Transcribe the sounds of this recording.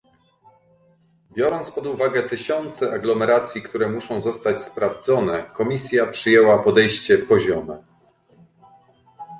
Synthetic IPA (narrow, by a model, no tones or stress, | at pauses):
bʲjɔɾɔnt̪spɔd̪uvaɡɛt̪ɘɕɔnt̪sɛʔaɡlɔmɛɾat̪sʲjikt̪uɾɛmuʂɔ̃w̃zɔst̪at͡ɕspɾavd̪zɔnɛkɔmʲisʲjapʂɘjɛwapɔd̪ɛjɕt͡ɕɛpɔʑɔmɛ